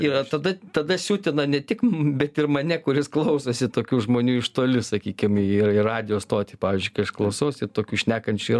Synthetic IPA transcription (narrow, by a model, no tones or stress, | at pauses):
ɪɾɐt̪ɐd̪ɐt̪ɐd̪ɐsʲuːt̪ʲɪnɐnʲɛt̪ʲɪkbʲɛt̪ɪrmɐnʲɛkʊɾʲɪsklˠɐʊsosʲɪt̪oːkʲuːʒmoːnʲuːɪʃt̪oːlʲɪsɐkʲiːkʲɪmɪɪɪrɑːd̪ʲɪjoːst̪oːt̪ʲɪpɑːʋʲɪːzʲd͡ʒʊɪkɐɪʃklˠɐʊsoːsʲɪt̪oːkʲuːʃʲnʲæːkɐnʲt͡ʃʲuiɾ